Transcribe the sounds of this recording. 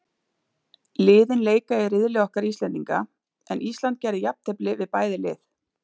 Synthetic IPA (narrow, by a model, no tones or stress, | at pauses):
lɪːðɪnleːjkajɪɾɪðlɪɔhkaɾist̪lɛnt̪iŋka̰ | ɛ̰nʔist̪lant̪̚cɛːɾɪjap̚nt̪ʰɛplɪvɪðpaːjðɪlɪ̰ːθ